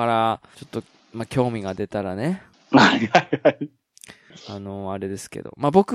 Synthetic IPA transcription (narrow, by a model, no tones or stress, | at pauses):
aɾat͡ɕo̞t̪ːo̞ | makʲo̞ːmʲiɡad̪e̞t̪aɾane̞ | hahaiai | ano̞aɾe̞d̪e̞sɨ̥ke̞̰d̪o̞̰mabo̞kɯ